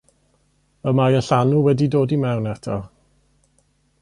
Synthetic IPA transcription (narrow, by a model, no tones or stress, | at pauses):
əmajəɬanuwɛdidoːdimɛwnɛtʰɔ